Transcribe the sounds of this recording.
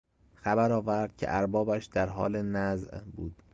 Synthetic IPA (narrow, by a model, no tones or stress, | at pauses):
xæbæɾɒːvæɾd̪̥cʰḛʔæɾbɒːbæʃd̪æɾɦɒ̰ːlenæzʔbuːd̪̥